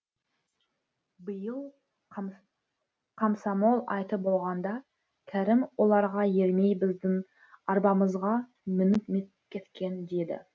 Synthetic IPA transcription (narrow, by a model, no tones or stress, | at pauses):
bəjəlˠ | qʰɑmsɑmo̞lˠɑ̰jt̪əbo̞lˠʁɑnd̪ɑ | kʲʰæɾɪmwo̞lˠɑɾʁɑje̞ɾme̞jbɪzd̪ɪŋ | ɑɾbɑməzʁɑ | mɪnɪt̪met̪pkʲʰe̞t̪kʲe̞nd̪e̞d̪ɪ̰